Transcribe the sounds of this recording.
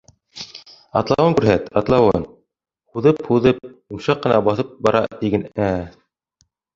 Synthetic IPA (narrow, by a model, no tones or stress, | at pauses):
ɑt̪lˠɑwɤŋkʉɾɦæt̪ɑt̪lˠɑwɤn | huðɤphuðɤp̚umʃɑqːɤ̆nɑbɑθɤp̚bɑɾɑ̰t̪iɡɘnæ